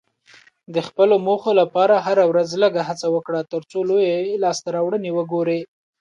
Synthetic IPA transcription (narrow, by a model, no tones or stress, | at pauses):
d̪əxpəlomoxolapɑɾaɦaɾawɾazləɡaɦat͡sawəkɽat̪əɾt͡solojalɑst̪aɾɑwɽənewəɡoɾe